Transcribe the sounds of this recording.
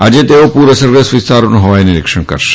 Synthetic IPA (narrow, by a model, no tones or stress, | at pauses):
ad͡ʒet̪eopuɾəsəɾɡɾesʋɪst̪aɾonũɦoʋajniɾɪ̰kʃəɳ̃kə̰ɾʃe̥